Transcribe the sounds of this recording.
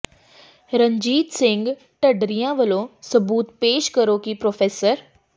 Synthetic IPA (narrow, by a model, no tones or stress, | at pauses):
ɾəɲd͡ʑiːt̪sɪ̃ŋɡ | ʈəɖɾijãʋəlosəbuːt̪peːʃkəɾokipɾofeːsəɾ